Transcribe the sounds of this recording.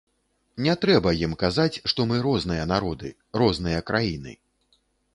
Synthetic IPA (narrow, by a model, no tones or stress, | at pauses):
nʲɛt̪ɾɛbɐjimkazat͡sʲʂt̪ɔmɨɾɔznɨjɐn̪aɾɔd̪ɨ | ɾɔzn̪ɨjɐkɾʔajinɨ̰